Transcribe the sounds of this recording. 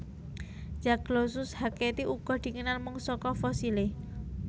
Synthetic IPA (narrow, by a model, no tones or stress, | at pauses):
d͡ʒ̥aɡ̥lɔsʊshaket̪iʔuɡ̥ɔ̤d̪̥i̤kənalmuŋsɔkɔfɔsile